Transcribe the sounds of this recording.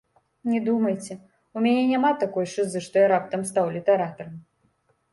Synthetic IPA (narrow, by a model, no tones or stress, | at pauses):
nʲɛd̪umɐjt͡sʲɛ | umʲanʲɛnʲamat̪akɔjʂɨzɨʂt̪ɔjaɾap̚t̪ɐmst̪awlʲit̪ɛɾat̪ɐɾɐm